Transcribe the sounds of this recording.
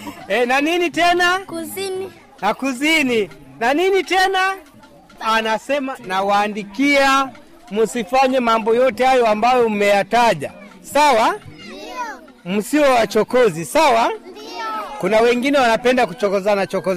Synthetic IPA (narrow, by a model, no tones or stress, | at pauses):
ɛnaninitɛna | nakuzininaninitɛnaː | nasɛmanawaːndikia | musifaɲɛmambɔjɔtɛhajɔambajɔm̩mɛjataʄa | sawa | m̩siwɛwat͡ʃɔkɔzisawa | kunawɛŋɡinɛwanapɛndakut͡ʃɔkɔzanat͡ʃɔkɔz